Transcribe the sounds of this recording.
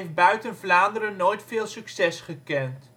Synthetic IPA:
jf̚bœɥtənvlaːndəɾənoːjtfɪːlˠsyksɛsχəkɛnt

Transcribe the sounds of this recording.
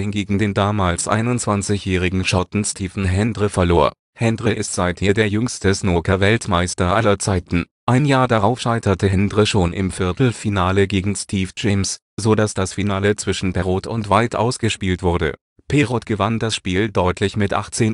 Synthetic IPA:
hɪnɡeːɡŋ̩deːndaːmaːlsʔa̰ɪnʊnt͡sv̥ant͡sɪçjɛːʁɪɡŋ̩ʃɔtn̩stʰiːfn̩ɦɛndʁəfɛɐloːɐ | hɛndʁəʔɪstz̥aɪtheːdeːɐjʏŋstəsnoːkʰɐvɛltmaɪstɐʔalɐt͡saɪtn̩ | ʔaɪnjaːɐdaʁaʊfʃaɪtɐtʰəɦɛndʁəʃoːnʔɪ̰mfɪɐtl̩finaːləɡeːɡŋ̩stʰiːfd͡ʒɛms | zodasd̥asfinaːlət͡sv̥ɪʃn̩bɛʁoːtʊntv̥aɪtʔa̰ʊsɡ̥əʃpiːltv̥ʊɐdə̰ | pʰeːʁotɡ̥əvandasʃpiːldɔʏtʰlɪçmɪtʔa̰χt͡seːn

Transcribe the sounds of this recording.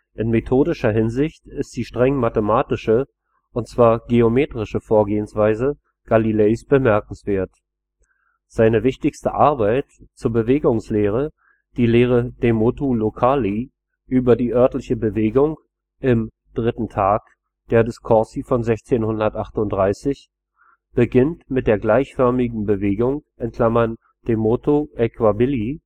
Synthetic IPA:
ʔɪnmetʰoːdɪʃɐɦɪnzɪçtɪstz̥iːʃtʁ̥ɛŋmatəmaːtɪʃə | ʔʊntt͡sv̥aːɐɡeomeːtʁ̥ɪʃəfoːɐɡeːənsv̥aɪzə | ɡ̥alilɛːsb̥əmɛɐkŋ̩sv̥eːɐt | z̥aɪnəvɪçtɪçstə̰ʔaɐbaɪtt͡suːɐbəveːɡʊŋsleːʁ̞ə | d̥iːleːʁ̞əd̥emoːtolokʰaːli | ʔyːbɐdiːʔœɐtlɪçəbəveːɡʊŋ | ʔɪm | d̥ʁɪtn̩tʰaːk | d̥eːɐdɪskʰɔɐsifɔnzɛçt͡seːnhʊndɐtʔaχtʊntd̥ʁaɪsɪç | b̥əɡɪntmɪt̚d̥eːɐɡlaɪçfœɐmɪɡŋ̩bəveːɡʊŋʔɛnkl̥amɐn | d̥emotʰoʔɛkvabɪli

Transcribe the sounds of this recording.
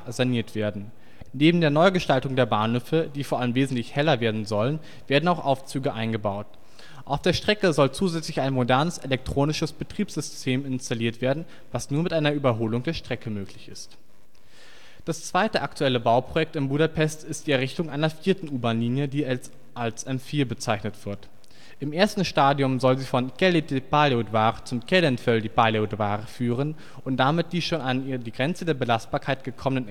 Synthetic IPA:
zaniːɐtv̥eːɐdn̩ | neːbm̩deːɐnɔʏɡəʃtaltʊŋdeːɐbaːnhøːfəd̥iːfoɐʔaləmveːzn̩tlɪçhɛlɐveːɐdn̩zɔlən | v̥eːɐdn̩aʊxʔaʊft͡syːɡəʔaɪnɡəbaʊt | ʔaʊfd̥eːɐʃtʁ̥ɛkəzɔlt͡suːzɛt͡slɪçaɪnmodɛɐnəselɛk̚tʁ̥oːnɪʃəsb̥ətʁ̥iːpz̥ʏstʰeːmɪnstaliːɐtv̥eːɐdn̩ | vasnuːɐmɪtʔaɪnɐʔyːbɐɦoːlʊŋdeːɐʃtʁ̥ɛkəmøːklɪçɪst | d̥ast͡sv̥aɪtəʔaktʰuɛləbaʊpʁ̥ojɛk̚tɪmbuɾapʰɛstɪstd̥iːɛʁ̞ɪçtʊŋʔaɪnɐfiːɐtn̩ʔuːbanliːnjədiː | alsʔɛmfiːɐbət͡saɪçnətv̥ɪɐt | ʔɪmʔeːɐstn̩ʃtaːdjʊmzɔlziːfɔnkɛledebaleodvaːʁət͡sʊmkʰɛlənfɛldiːbaleodvaːʁəfyːʁən | ʔʊnt̚d̥amɪt̚d̥iːʃoːnanːdiːɡʁɛnt͡sədeːɐbəlast̚b̥aːɐkʰaɪt̚ɡ̥əkʰɔmənən

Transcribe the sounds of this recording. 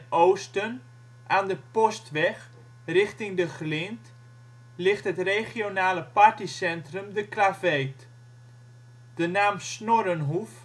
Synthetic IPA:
owstən | ʔaːndəpɔstʋɛχ | rɪχtɪŋdəχlɪnt | lɪχtɦətreχijonaːləpaɹtisɛntrəmdəklavejt | d̥ənaːmsnoɾənɦuf

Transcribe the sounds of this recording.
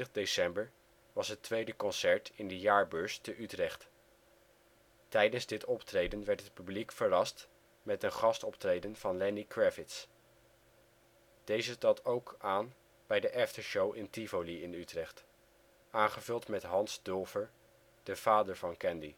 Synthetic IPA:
əχdesɛmbəɹ | ʋɑsɦətʋejdəkɔnsɛɹtɪndəjaːɹbøːɹstəʔytrɛχt | tɛjdənzdɪtɔptrejdənʋɛɹtɦət̚pyblikfəɹɑst | mɛtənχɑstɔptrejdənv̥ɑnlɛnikɹɛfɪts | d̥ejzətɑtowkaːn | b̥ɛjdəʔɛftəɹʃowʔɪntivoliɪnytrɛχt | aːnχəvɵlˠtmɛtɦɑnzdølˠvəɹ | d̥əv̥aːdəɹvɑnkɛndi

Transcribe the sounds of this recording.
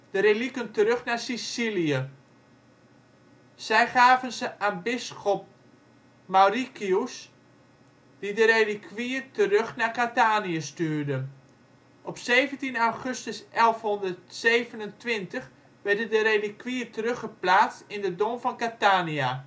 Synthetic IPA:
d̥əɾelikəntəɾøχnaːsisilijə | sɛjχaːvənzəʔanbɪsxɔp̚ | marikius | d̥idəɾelikʰʋiətərøxnakataːniəstyːrdə | ʔɔpseːvəntinawχøstəsʔɛlˠfhɔndərtseːvənəntʋɪntəχ | ʋɛrdəndəɾelikʰʋiːətərøχəplaːt͡stɪndədomfɔnkataːnia

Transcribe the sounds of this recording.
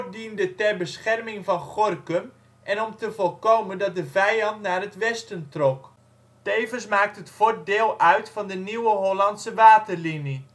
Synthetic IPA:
dindətɛrbəsχɛrmɪŋvɑnχorkəm | ʔɛnɔmtəvɔlˠkowməndɔt̚dəvɛjɑntnaːrətʋɛstəntrɔk | tejvənsmaːk̚tɦətfor̚dɪːlˠœɥtfɑndəniwəɦolɑntsəʋaːtərlini

